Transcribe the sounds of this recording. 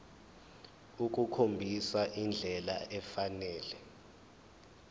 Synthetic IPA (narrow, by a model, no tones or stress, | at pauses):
uk̬ʼukʰombʱisaʔind͡ɮʱɛla̰ʔɛfanɛːlɛ